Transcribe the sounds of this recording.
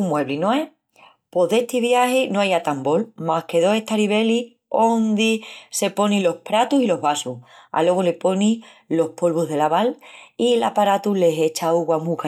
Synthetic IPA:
umwe̞βlinoe | po̞ðe̞ht̪iβjahenoajat̪ambo̞lmahke̞ðo̞e̞t̪aɾiβe̞li | ond̪ise̞po̞nĩlo̞hpɾat̪usilo̞ɦβasua̰lwo̞ɣole̞po̞ni | lo̞hpo̞lβuɦðe̞laβalilapaɾat̪ule̞ɦe̞t͡ʃauɣwamuk

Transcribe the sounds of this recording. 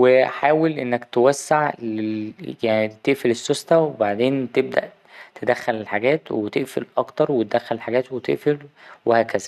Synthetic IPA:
weħaːwelʔenːækt̪ewæsːaʕlejaʕnit̪eʔfelesːost̪æwebaʕd̪eːnt̪eb̚d̪æ̰ʔ | t̪ed̪æxːælelħaɡæːt̪wet̪eʔfḛlʔɑkt̪ɑɾˤwet̪̚ed̪æxːællħaɡæːt̪wet̪ḛʔfelwehæːkæzæ

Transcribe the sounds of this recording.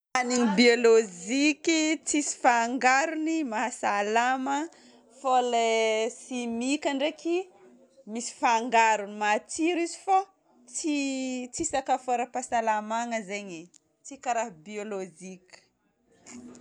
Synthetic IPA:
aniɲibiolod͡ʒikʲit͡sisi̥faŋɡaɾunimaɦasalamə | folesimikʲaɳɖ͡ʐeki | misi̥faŋɡaɾunimat͡siɾizifa | t͡sit͡sisakafoɾəpasalamaŋəzeɲe | t͡sikaɾaɦbiolod͡ʒikʲi̥

